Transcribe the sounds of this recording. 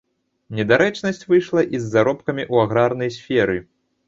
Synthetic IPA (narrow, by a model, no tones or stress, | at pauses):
nʲɛd̪aɾɛt͡ʂnɐsʲt͡sʲvɨjʂlˠɐʔizːaɾɔpkɐmʲiʔuaɣɾarnɐjsʲfʲɛɾɨ